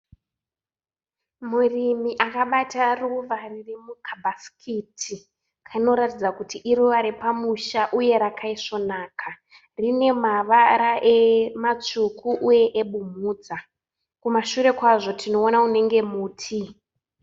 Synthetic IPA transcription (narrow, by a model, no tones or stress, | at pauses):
murimiʔakaɓataruʋaririmukʰabʱaskʰitʰi | kʰaino̞ɾatid͡zakutiʔiɾuʋaɾepamuʃaʔuje̞ɾakʰaiʂo̞naːkʰa | rine̞maʋaɾaʔemat͡ʂukʰuʔuje̞ʔeɓumuːd͡za | kumaʃure̞kwaʐo̞tʰino̞ːnaune̞ŋɡe̞muːtʰi